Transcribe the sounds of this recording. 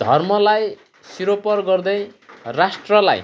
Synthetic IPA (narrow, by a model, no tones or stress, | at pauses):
d̪ʱʌrmʌlaj | siɾopʌrɡʌrd̪ʌjrasʈrʌla̰j